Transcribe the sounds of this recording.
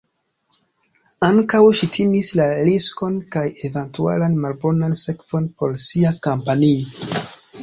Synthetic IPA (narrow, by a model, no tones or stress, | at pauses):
aŋkawʃitʰimislalisko̞nkaje̞ventua̰lanmalbo̞nanse̞kv̥o̞npo̞ɾsiakampanio